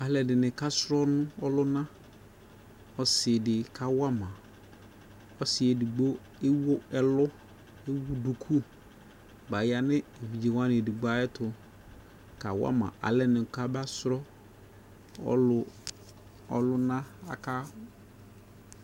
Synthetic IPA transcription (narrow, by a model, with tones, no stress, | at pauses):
a˨lɛ˨dɪ˨nɪ̃˨ka˦sʊ˦ɾɔ˦nʊ̃˦ɔ˦lʊ˦nã˦ | ɔ˨sɪ˨dɪ˨kʰa˨wa˦mã˨ | ɔ˦sɪ˨ɛ˨di˨ɡ͡bo˦ | e˦wo˦ɛ˨lʊ˦ | e˦wu˦du˨kʰu˦ | ba˨ja˦nɪ̃˦e˨vi˨d͡ʒe˨wã˦nɪ˨di˨ɡ͡ba˦ɛ˦tʰʊ˨ | ka˨wa̰˦mã̰˨ʔa̰˨lɛ˨nɪ̃˨ka˦ba˦sʊ˦ɾɔ˦ | ɔ̰˦lʊ˨ | ɔ̰˨lʊ˦nã˦a̰˨kʰa˦